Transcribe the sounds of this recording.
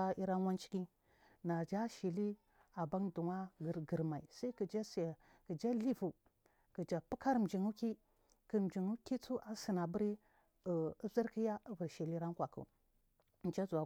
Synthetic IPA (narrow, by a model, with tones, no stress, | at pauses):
a˦i˦ɾa˦n˦wa˦nt͡ʃi̥˦ki˦ | na˨d͡ʒa˦ʃi˨li˦ | a˨ba˦ndu˨ŋa˦ɡɾɡə˨ɾma˨ḭ˨sa˦i˦kə˨d͡ʒa˦sa˨ | kə˨d͡ʒa˦li˦vu˨ | kə˨d͡ʒa˨pu˦ka˦ɾm̩˨d͡ʒi˨ŋu˦ki˦ | kə˨m˨d͡ʒi˨ŋu˦ki˦t͡su˦ʔa˨si˨na˨bə˦ɾi˦˨ | ə˦zi˦ɾki˦ja˦ə˦və˨ɾʃi˨li˦ɾa˦nkʷa˨kṵ˨ | nt͡ʃa˦zu˨wa˨